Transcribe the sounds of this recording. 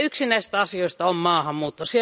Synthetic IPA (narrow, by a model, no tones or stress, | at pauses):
yksinæisist̪æɑsioist̪ɑommɑːhɑmmuːt̪ːusie